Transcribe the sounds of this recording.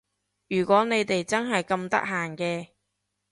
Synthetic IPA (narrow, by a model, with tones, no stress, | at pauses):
jyː˨˩kʷɔː˨˥ne˨˧jt̪e˨jt͡sɐ˥nɦɐ˨jkɐ˧mt̪ɐ̰˥k̚ɦaː˨nkɛː˧